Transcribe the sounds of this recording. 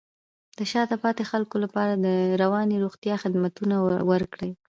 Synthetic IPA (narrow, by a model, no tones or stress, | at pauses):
d̪̥əʃɑd̪əpɑt̪exalkolapɑɾad̪əɾawɑneɾoɣt̪jɑxɪd̪mat̪unawəɾkɽəj